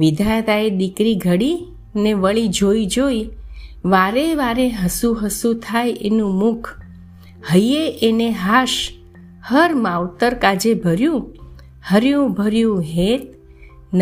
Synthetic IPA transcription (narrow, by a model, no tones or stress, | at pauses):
ʋɪd̪ʱajt̪aeɗ̪ikɾiɡʱəɽi | neʋəɭid͡ʒoid͡ʒoiʋaɾeʋaɾeɦəsuɦəsut̪ʰajʔḛnũmukʰ | həjeʔeneɦaʃ | həɾmaʋt̪əɾkad͡ʒebʱəɾjũ | həɾjũbʱəɾjũɦet̪̚ | n